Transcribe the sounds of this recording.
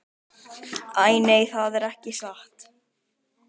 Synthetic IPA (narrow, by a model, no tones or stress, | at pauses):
aːjneːjθaðɛɾɛhcɪsaht̪